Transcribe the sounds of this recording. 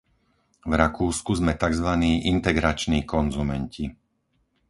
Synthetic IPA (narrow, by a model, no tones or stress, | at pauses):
vɾakuːskuzmɛt̪aɡzʋaniːʔint̪ɛɡɾat͡ʃniːkɔnzumɛnci